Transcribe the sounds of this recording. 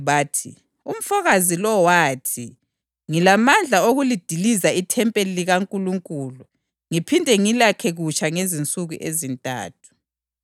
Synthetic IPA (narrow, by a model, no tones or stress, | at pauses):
βaːtʰḭ | um̩fɔɣazilɔwaːtʰi | ŋilamand͡ɮʱaoɣulid̥ʱilizaitʰɛmpʼeliliɣaŋkʼuluŋkʼuːlu | ŋipʰindʱɛŋilakʰɛɣut͡ʃʰʼaŋezint͡sʼuɣuʔezintʼa̰ːtʰu̥